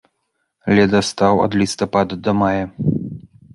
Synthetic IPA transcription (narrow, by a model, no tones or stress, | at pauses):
lʲɛd̪ɐst̪awɔ̰d̪lʲist̪ɔpad̪ɐd̪ɔmajɐ